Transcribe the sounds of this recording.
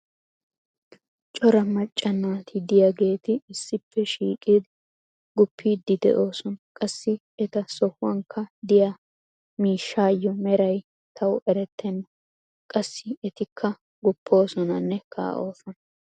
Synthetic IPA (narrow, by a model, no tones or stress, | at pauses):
t͡ʃʼɔɾɐmɐt͡ʃʼːɐnːaːt̪ʰɪd̪ɪjaɡe̞ːt̪ɪɪsːɪpːɛʃiːkʼid̪ | ɡʊpʰːiːd̪ːɪd̪ɛ̰ʔo̞ːsɔnkʼɐsːɪ | ɛt̪ɐsɔhʊwɐŋkʰːɐd̪ɪjaː | miːʃːaːjːɔmɛɾɐj | t̪ʰɐwʔɛɾɛt̪ːɛnːɐ | kʼɐsːɪɛt̪ɪkʰːɐ | ɡʊpːo̞ːsɔnɐnːɛkʰa̰ːʔo̞ːsɔnɐ